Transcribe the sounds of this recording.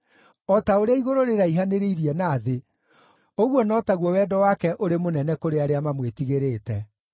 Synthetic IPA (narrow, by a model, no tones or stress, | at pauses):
ɔtaoɾeaiɣoɾoɾeɾaiɦaneɾeiɾiɛnaːðe | oɣwɔnɔːtaɣwɔwɛdɔwakɛʔoɾemonɛnɛkoɾeaɾeamamwetiɣeɾeːtɛ